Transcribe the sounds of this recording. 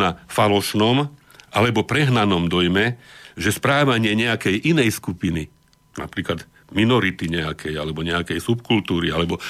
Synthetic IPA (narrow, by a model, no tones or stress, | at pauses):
nafalɔʃnɔmʔalɛbɔpɾɛɦnanɔmd̪ɔjmɛʒɛspɾaːʋaɲɪɛɲɛakɛjʔinɛjskupini | na̰pɾiːklad̪ | minɔɾit̪iɲɛakʰɛjalɛbɔɲɛakɛjsupkult̪uːɾialɛbɔ